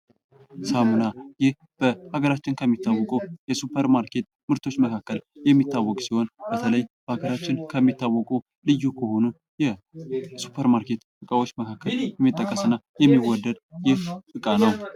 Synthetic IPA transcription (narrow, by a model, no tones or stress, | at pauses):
samunajɪh | b̥əhaɡəɾat͡ʃːɪnkʰəmːit̪ːawːɔkʼujɛsupʰːəɾmaɾkʰe̞t̪ | mɨɾt̪ʰo̞t͡ʃːməkʰakːəljɛmːit̪ːawːɔkʼsiho̞nb̥ət̪ʰələjb̥əhaɡəɾat͡ʃːɪnkʰəmːit̪ːawːɔkʼu | lɨjːukʰəho̞nu | jɛsu̥pʰəɾmaɾke̞t̪ʼ | ɨkʼawot͡ʃːməkʰakʰːəljɛmːit̪ʼːəkʼːəsɨnːa | jɛmːiwɔd̪ːəd̪jɪhtʼɨkʼanəw